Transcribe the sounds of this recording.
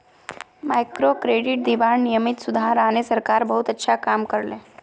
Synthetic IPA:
majkɾokɾeɽiʈ̚d̪iʋaɳnijəmit̪sud̪ʱaɦɾanesəɾkaɾbəɦut̪ətːʃʰakamkəɾle

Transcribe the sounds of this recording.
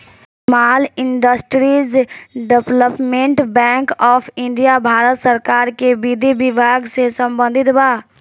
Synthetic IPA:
maːlɪɳɖəsʈɾizɖepləpmẽɳʈbɛ̃ːŋkɔːpʰɪ̃ɳɖijabʱaːɾət̪səɾkaːɾkebid̪ʱibɪbʱaːɡsesə̃mbə̃nd̪ʱɪt̪baː

